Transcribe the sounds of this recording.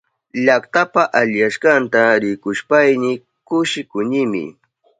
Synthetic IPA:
ʎakt̪apaʔaʎjaʃkɑnt̪aɾɪkʊʃpajnɪ | kʊʃɪkʊɲɪmɪ̰

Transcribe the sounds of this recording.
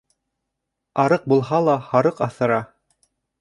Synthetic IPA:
ɑɾɤq̚bulˠɦɑlˠɑhɑɾɤqɑθɤ̆ɾɑ

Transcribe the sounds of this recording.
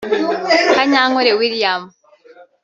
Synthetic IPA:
kaɲaːŋoɾewiljam

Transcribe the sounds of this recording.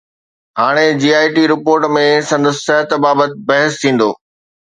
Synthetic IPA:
ɦaːɽ̃ed͡ʑiːaːɪʈiɾɪpoːɾʈmẽsɐ̃nd̪əsːɐɦət̪baːbət̪bɐɦəst̪ʰĩːn̆d̪o̰ː

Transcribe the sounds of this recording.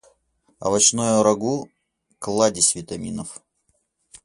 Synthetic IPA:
ɐ̰vɐt͡ɕnojʊɾɐɡu | klˠadʲɪsʲvʲɪt̪ɐmʲinəf

